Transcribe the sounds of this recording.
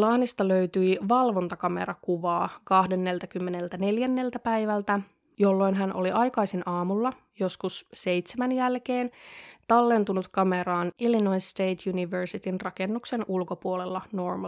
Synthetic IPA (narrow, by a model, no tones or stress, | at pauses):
lɑːnist̪ɑløyt̪yiʋɑlʋo̞nt̪ɑkɑme̞̰ɾɑkuʋɑːkɑhde̞nːe̞lt̪ækymːenelt̪æne̞ljænːe̞lt̪æpæjʋælt̪æ | jo̞lːo̞jnɦænʔoliʔɑjkɑjsenʔɑːmulːɑ | jo̞skusse̞jt̪semænjælke̞ːnt̪ɑlːe̞nt̪unut̪kɑme̞ɾɑːnʔilinoinst̪ejt̪ʰjuniʋersit̪inrɑke̞nːukse̞nʔulko̞puolelːɑnormɑ